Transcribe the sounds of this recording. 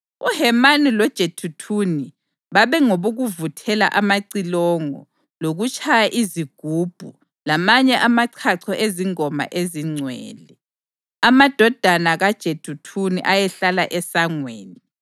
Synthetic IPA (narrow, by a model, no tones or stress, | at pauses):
uhɛmanilɔd̥ʒ̥ʱetʰutʰuni | βaβɛŋoβoɣuvutʰɛla̰ʔamaǀilɔŋɔ̰ | loɣut͡ʃʰʼajaʔiziɡ̥ʱuːb̥ʱu | lamaɲɛʔamaǀʰaǀʰɔʔeziŋɔma̰ʔeziŋ͡ǀʱwɛ̰ːlɛ | amad̥ʱɔd̥ʱanaɣad̥ʒ̥ʱetʰutʰunḭʔajɛɬalaʔɛsaŋweːni